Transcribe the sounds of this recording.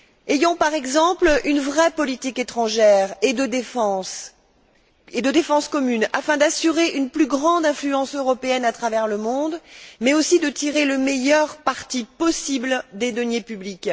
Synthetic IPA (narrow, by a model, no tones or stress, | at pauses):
ejɑ̃paʁɛɡzɑ̃plynvʁɛpɔlit̪iket̪χɑ̃ʒɛʁed̪əd̪efɑ̃s | ed̪əd̪efɑ̃skɔmynafɛ̃d̪asyʁeʔynplyɡʁɑ̃d̪ɛ̃flyɑ̃søʁɔpeɛnat̪χavɛʁləmɔ̃d̪mɛosid̪ət̪iʁeləmejœʁpaʁt̪ipɔsibld̪ed̪ɔnjepyblik